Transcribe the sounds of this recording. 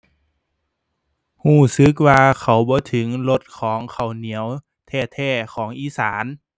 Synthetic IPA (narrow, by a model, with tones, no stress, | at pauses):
huː˧˥˩sɯ˧˦k̚waː˧kʰa˧˩wbɔː˧˦t̪ʰɯ˩˦ŋlo˧˥t̪̚kʰɔː˩˦ŋkʰa˨˩wni˨˩˦əw | t̪ʰɛː˧˩t̪ʰɛː˧˩kʰɔː˩˦ŋʔiː˧˥˨saː˩˦n